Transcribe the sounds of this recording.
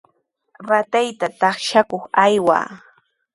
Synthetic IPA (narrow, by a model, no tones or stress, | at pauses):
ɾat̪ajt̪at̪ɑχʃakoχajwa̰ː